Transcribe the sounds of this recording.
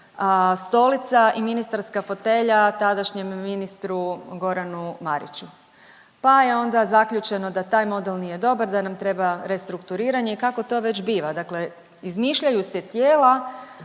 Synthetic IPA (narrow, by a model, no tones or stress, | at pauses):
st̪o̞lit̪saʔiminist̪aɾskafo̞t̪e̞ʎat̪ad̪aʃɲe̞mːinist̪ɾuɡo̞ɾanumaɾḭt͡ɕu | pajeo̞nd̪azakʎʲut͡ʃe̞no̞d̪at̪aːjmo̞d̪elnije̞d̪o̞baɾd̪anamt̪ɾe̞baɾe̞st̪ɾukt̪uɾiːɾaɲeikako̞t̪o̞ːʋe̞t͡ɕbiːʋad̪akle̞ | izmiːʃʎajuset̪jeːla